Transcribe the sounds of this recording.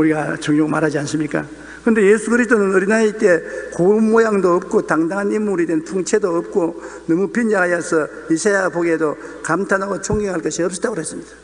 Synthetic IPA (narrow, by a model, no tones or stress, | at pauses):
uɾiɡat͡ɕʌŋɲoɡmaɾɦad͡ʑiansʰɯmɲik͈a̰ | kɯnde̞jesʰukɯɾisʰt̪͈onɯnʌɾinaeit͈ekomːojaŋdoːp̚k͈otaŋdaŋɦanimːuɾidwenpʰuŋt͡ɕʰe̞doːp̚k͈onʌmupind͡ʑaɦajasʰʌ | misʰajaɡapoɡiɦedo | kamtʰanɦaɡot͡ɕʰoŋɡiŋhaɭk͈ʌɕʰiʌp̚s͈ʌ̥t͈aɡoɾasʰɯmɲid̥ḁ